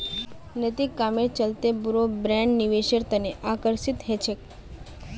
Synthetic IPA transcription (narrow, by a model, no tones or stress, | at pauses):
nət̪ikːamet͡ʃəlt̪ebuɾobɾɛ̃ɳɖniʋeʃəɾt̪əneʔakəɾsit̪ɦet͡ʃʰek